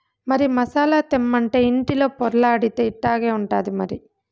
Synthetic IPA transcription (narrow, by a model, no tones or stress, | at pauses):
mɐɾimɐsaːlaːt̪emːɐɳʈe̞iɳʈilo̞ːpɔɾɐlaːɐɽit̪eːiʈːaːɡeːuɳʈa̰ːd̪imɐɾi